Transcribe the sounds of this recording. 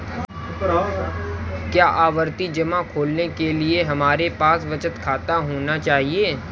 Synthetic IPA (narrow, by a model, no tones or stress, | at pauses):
kjaːʔaːʋəɾt̪id͡ʒɐmakʰoːlnekelieɦɐmaːɾepaːsʋɐt͡ʃət̪kʰaːt̪aɦoːnat͡ʃaːɦieː